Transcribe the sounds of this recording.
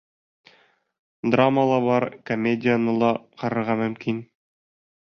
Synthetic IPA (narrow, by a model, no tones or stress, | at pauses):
d̪raməlˠɑβɑɾkomʲedʲɪjanɤlˠɑqɑɾɤ̆ɾʁɑmɵ̆mkin